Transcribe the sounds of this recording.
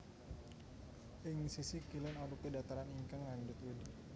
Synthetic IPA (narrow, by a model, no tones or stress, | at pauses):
ʔɪŋsisikilənalupədat̪aɾaniŋkaŋlaɲd͡ʒʊt̪wudi